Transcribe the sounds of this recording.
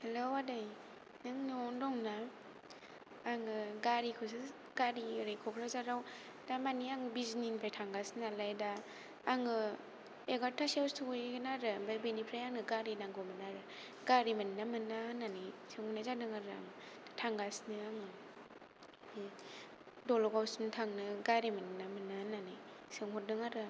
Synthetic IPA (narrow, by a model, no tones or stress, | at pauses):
helowadaj | nɯŋnɔndɔŋna | ŋɯɡaɾikʰɯs̬ɯ | ɡ̥aɾiɾɯjkʰɔpʰɾazaɾaw | d̥amaniaŋɯbizninpʰajtʰaŋɡasnalajdaː | ŋɯ | eɡatʰasiawstʰojɡɯnaɾɯbabenipʰɾajaŋɯɡaɾinaŋɡomɯnaɾɯ | ɡaɾimannamɯnananisɯŋnazadɯŋaɾɯa̰ŋtʰaŋɡasnɯaŋɯ | dolɔɡawsuntʰaŋnɯɡaɾimannamɯnananisɯŋhɔdɯŋaɾɯ